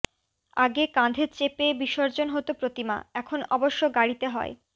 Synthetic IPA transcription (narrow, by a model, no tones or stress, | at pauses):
aɡekãd̪ʱet͡ɕepebiʃoɾd͡ʑonɦot̪opɾot̪ima̰ɛkʰonɔboʃːoɡaɽit̪eɦɔ̰e